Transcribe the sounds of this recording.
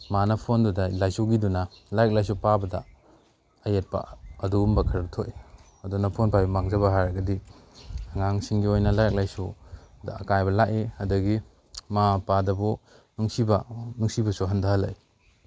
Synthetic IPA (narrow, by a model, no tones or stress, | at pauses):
manɐpʰondudalajsuɡidunɐlajk̚lajs̬upabɐdɐ̰ | ɐjet̚pa̰ɐdumbɐkʰɐɾtʰoʔe | ɐdunɐpʰonpajbɐmaŋzɐbɐɦaɾɐɡɐdi | ɐŋaŋsiŋɡiojnɐlajk̚lajsudɐɐkajbɐlaʔeɐdɐɡi | mapadɐbɔ | nuŋsibɐnuŋsibɐsuɦɐndahɐla̰j